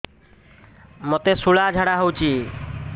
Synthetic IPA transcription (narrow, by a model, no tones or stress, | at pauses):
mot̪esuɭad͡ʒʱaɽaɦowt͡ɕi